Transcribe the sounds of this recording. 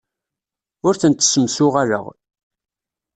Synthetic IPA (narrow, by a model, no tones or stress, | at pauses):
ʊɾθənt̪ːsəmsʊʁalə̰ʁ